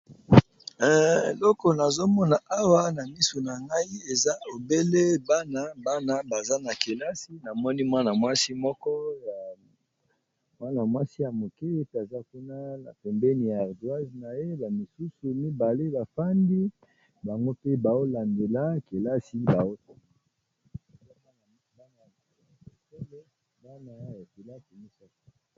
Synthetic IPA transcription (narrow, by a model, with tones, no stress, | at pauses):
ḛ˨lɔ˦kɔ˨na˨zo˦mɔ˦na˨ʔa˦wa˦na˨mi˦so˨na˨ŋɡa˦i˦e˨za˦o˨be˦le˦ba˦na˦ba˦na˨ba˨za˦na˨ke˨la˦si˦na˨mɔ˦ni˦mwa˦na˨mwa˦si˦mɔ˦kɔ˦ja˨ | mwa˦na˨mwa˦si˦ja˨mo˨ke˦pa˨za˦ku˦na˦na̰˨pɛ˨mbɛ˦ni˨ja˨a˨ʁdwa˦zna˨je˦ba˨mi˨su˦su˨mi˦ba˨le˦ba˨fa˦ndi˦ | ba˨ŋɡo˦pe˦ba˨o˦la˨nde˨la˦ke˨la˦si˦ba˨o˦ko˨ma˨˦ | a˦ba˦na˨m˦˨ba˦na˨ba˨˦a˦e˨ke˦le˦ | ba˦na˨a˦ja˨ke˨la˦ki˨mi˦sa˨ka˦˨